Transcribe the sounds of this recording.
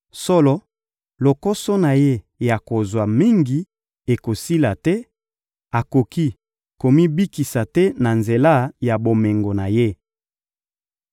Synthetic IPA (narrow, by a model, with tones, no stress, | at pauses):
sɔ˦lɔ˦ | lo˨ko˦sɔ˦na˨je˦ | ja˨ko˨zwa˨mi˦ŋɡi˨ | e˨ko˨si˦la˨tɛ˦ | a˨ko˨ki˦ | ko˨mi˦bi˦ki˨sa˨tɛ˦na˨nze˨la˦˨ja˨bo˨me˨ŋɡo˨na˨je˦